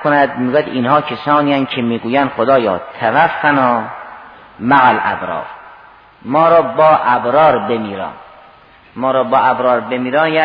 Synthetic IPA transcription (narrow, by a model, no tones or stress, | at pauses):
konæd̪miːɡuːjæd̪ʔinhɒːkʰesɒːnijænkʰemiːɡuːjænd̪̥xod̪ɒːjɒːt̪ʰævæfːænɒː | mæɣælʔæ̰bɾɒ̰ːɾ | mɒːɾɒːbɒːʔæbɾɒːɾbemiːɾɒ̰ːn | mɒːɾɒːbɒːʔæbɾɒːɾbemiːɾɑːnjæː